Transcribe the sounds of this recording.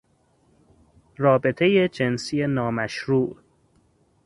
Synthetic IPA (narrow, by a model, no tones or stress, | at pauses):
rɒːbe̞t̪ʰe̞jed͡ʒe̞nsije̞nɒːmæʃɾuːʔ